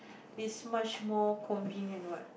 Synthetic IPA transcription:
ismat͡ʃmɔkʰɔ̃ɱvĩnjə̃nwɔt̚

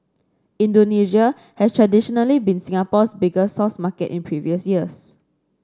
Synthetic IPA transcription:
ĩndoniʒia | hɛstʰɹadiʃɔnəlibĩnsĩŋapɔsbiɡəsɔsmakɛ̰tḭ̃npʰɹiviəsjiəs

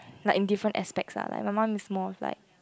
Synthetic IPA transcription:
laɪkĩndifɹə̃ntɛ̰spɛk̚tsa̰la̰ɪk̚mamãmismɔla̰ɪk̚

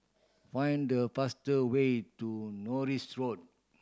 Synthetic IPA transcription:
fãj̃ndəfastəwetunɔɹisɹod̚

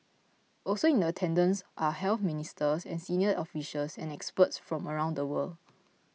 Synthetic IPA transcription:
ʔɔlsoĩndəətʰɛ̃ndə̃nsʔahɛlθministəsɛ̰̃nsiniəɔfiʃəlsɛ̃nɛkspətsfɹɔ̃məɹãʊw̃ndəwəld

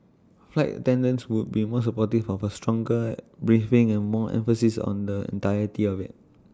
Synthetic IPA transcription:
flaɪtə̰tɛ̃ndə̃nswut̚bimɔs̬əpɔtifɔfəstɹɔ̃ŋɡəbɹifɪ̃ŋɛ̃nmɔʔɛ̰̃ɱfəsisɔ̰̃ndəɛ̰̃ntajətiɔvɪ̰t̚

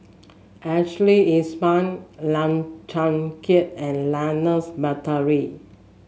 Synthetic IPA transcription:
ɛkt͡ʃəliĩnspãnlãŋt͡ʃãŋkʰitɛ̃nlanəsbatəɹi

